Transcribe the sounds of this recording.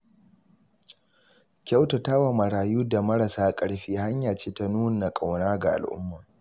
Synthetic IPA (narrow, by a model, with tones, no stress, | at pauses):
kʲa˦wta˨ta˦wa˨mɐ˨ɽaː˨juː˦da˨mɐ˦ɽa˨saː˦kʼɐ˦ɽɸiː˦ɦa˦ɲjaː˨t͡ʃeː˦ta˦nuː˦n˨na˨kʼa˨wnaː˦ɡa˨ʔa̰˨lʔʊ̰˦mːaː˨